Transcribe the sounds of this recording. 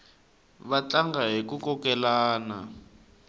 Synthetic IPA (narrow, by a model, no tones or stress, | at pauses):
βat͡ɬaŋɡaɦik̬ukɔkɛlaːna̰